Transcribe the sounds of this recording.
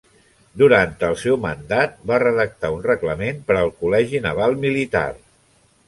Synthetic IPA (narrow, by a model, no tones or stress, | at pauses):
d̪uɾant̪əlˠsɛwmənd̪at̪̚barəðək̚t̪aunrəkləmenpəɾəlˠkulɛʒinəβ̞alˠmilit̪a̰r